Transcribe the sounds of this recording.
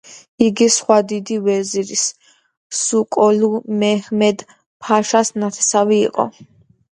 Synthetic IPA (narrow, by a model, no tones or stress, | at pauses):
iɡisχwad̪id̪ivɛziɾis | sukʼɔlumɛhmɛd̪ | pʰaʃasnat̪ʰɛ̥savḭːqʼɔ̰